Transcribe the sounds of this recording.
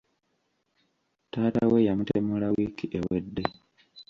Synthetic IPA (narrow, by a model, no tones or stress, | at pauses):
taːtawejamutemulawikiʔewedːe